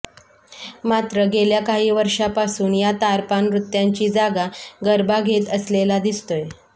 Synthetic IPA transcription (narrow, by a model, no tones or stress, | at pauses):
mat̪ɾəɡeljakaɦiːʋəɾʂapasuːnjat̪aɾpanɾut̪jaɲt͡ɕiːd͡zaɡaɡəɾbaɡʱet̪əslelad̪ist̪oj